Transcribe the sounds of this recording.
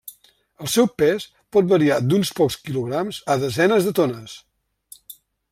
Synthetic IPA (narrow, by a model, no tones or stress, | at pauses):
əlˠsɛwpɛs | pɔt̪̚bəɾiad̪unspɔkskiluɣɾamzəðəzɛnəzðət̪onəs